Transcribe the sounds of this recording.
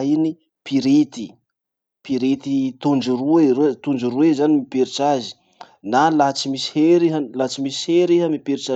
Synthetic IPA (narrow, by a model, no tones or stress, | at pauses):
ini | piɾit̪i | piɾit̪it̪und͡ʒiruret̪und͡ʒiruezanimipiɾit͡ʃazi̥ | nalat͡simisi̥heɾiɦəlat͡simisi̥heɾiɦəmipiɾit͡ʃa